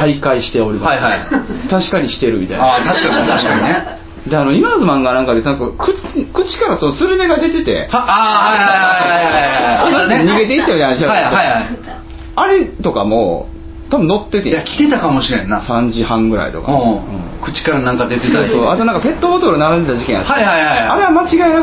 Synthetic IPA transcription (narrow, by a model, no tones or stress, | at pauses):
aikaiɕi̥t̪e̞o̞ɾʲimaaihait̪aɕi̥kaɲ̟iɕi̥t̪e̞ɾɯ̟mʲit̪a̰j̰at̪aɕi̥kaɲiaɕi̥kaɲine | d̪eano̞imazɨmãŋɡanãŋkad̪enãŋkakʰɯ̟ | kɯ̟t͡ɕi̥kaɾaso̞nosɨɾɯ̟me̞ɡad̪e̞t̪e̞t̪e̞̰ahajhajaaajaonãeɲ̟iɡe̞t̪̬e̞it̪ːamʲit̪ajnaɕiaaoaiha | aɾe̞t̪o̞ka̰mo̰ː | t̪abɯ̟̃no̞t̪ːek̪ḛ̃akʲi̥t̪et̪akamoɕiɾẽnːasãɲd͡ʑihãŋɡɯ̟ɾa̰ḭt̪o̞̰ka̰oɯ̰̃ | kɯ̟̥t͡ɕi̥kaɾanãŋkad̪e̞t̪est̪osoːat̪onãŋkape̞t̪ːobot̪oɾɯ̟naɾãnd̪e̞t̪aʑikẽja̰t̪ːaaihaiaɾe̞amat͡ɕiɡaena